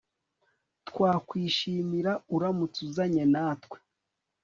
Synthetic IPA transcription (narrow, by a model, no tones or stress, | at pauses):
twaːkwiːʃiːmiɾauɾamut͡suzaɲenaːtkwe̥